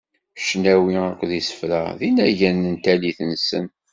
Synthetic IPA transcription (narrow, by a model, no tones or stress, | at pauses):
ʃnæwiækʷːðisə̥fɾæ̰ðinæʝænənt̪æliθnsə̰n